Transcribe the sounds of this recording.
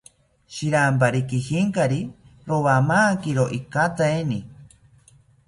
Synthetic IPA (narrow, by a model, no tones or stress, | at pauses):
ʃiɾampaɾikihiŋkaɾiɾowamaːkiɾoʔikat̪aeni